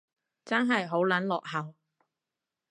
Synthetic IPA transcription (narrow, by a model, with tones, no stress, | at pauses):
t͡sɐ˥nɦɐ˨jɦo˨˥wlɐ˨˥nlɔː˨k̚hɐ˨w